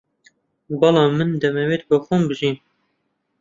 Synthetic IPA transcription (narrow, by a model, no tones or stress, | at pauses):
bɑlɑmɨnd̪ɛmɛweːt̪̚bɨxumbɨʒin